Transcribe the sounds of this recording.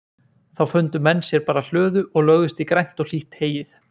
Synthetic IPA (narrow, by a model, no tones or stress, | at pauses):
θawfʏnt̪ʏmɛnːsjɛɾpaːɾal̥œːðʏʔɔɣlœɣðʏst̪ikɾajn̥t̪ɔɣl̥iht̪heːjɪθ